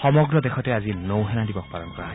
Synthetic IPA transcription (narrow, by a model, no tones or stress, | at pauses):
xɔmɔɡɹɔdɛxɔtɛazinowɦɛnadibɔk̚palɔnkɔɹa